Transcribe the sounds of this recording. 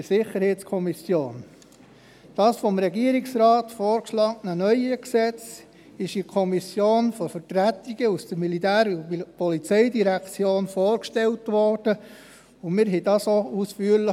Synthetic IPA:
sɪχəɾhɛɪtskʰɔmisjoːn | d̥ɑːsfɔmɾɛɡiəɾiksɾɑːt̪foːɾkʃlɑːknənœʏəksɛt͡s | ɪʃikʰɔmisjoːnfɔɾfəɾtɾæt̪iɡ̥əusd̥əɾmilitæːɾpɔlit͡sɛɪdiɾækt͡sjoːnfoːɾkʃtɛltʋɔrd̥ə | ʊmɪɾɦɛdɑsousfyːəɾlə

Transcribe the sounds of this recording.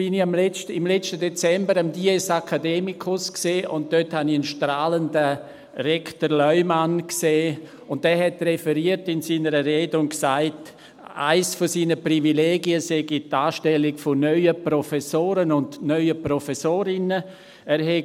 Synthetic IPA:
b̥ɪniamlɛt͡ʃtəɪmlɛt͡ʃtədɛt͡sɛmbəɾamdiːɛsakʰadeːmikʰʊskseːʔʊnt̚d̥øthaniənʃtɾaːləndə | ɾɛktəɾlœʏmankseː | ʊntdɛːɦɛtrɛfɛɾiətɪnsiːnəɾəɾeːdʊŋksaɪt | a̰ɪsfosiːnəpɾivileːɡiəsɛɡitaːʃtɛlɪɡfonœʏəpɾɔfɛsoːɾənʊndnœʏəpɾɔfɛsoːɾɪnə | ɛɾɦɛ

